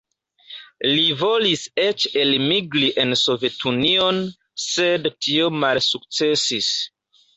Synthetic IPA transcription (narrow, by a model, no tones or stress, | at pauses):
livo̞liset͡ʃelmiɡɾiʔe̞nso̞ve̞tunio̞n | sedtio̞malsuk̚t͡se̞sis